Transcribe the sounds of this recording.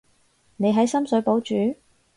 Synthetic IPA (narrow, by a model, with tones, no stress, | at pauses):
ne˨˧jɦɐ˨˥jsɐ˥msɵ˨˥ɥpo˨˥wt͡ʃyː˨˧˥